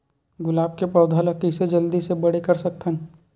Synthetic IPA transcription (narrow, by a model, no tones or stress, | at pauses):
ɡʊlaːb̚kepɐːd̪ʱaləkised͡ʒɐld̪isebɐɽekɐɾsɐk̚t̪ʰə̃n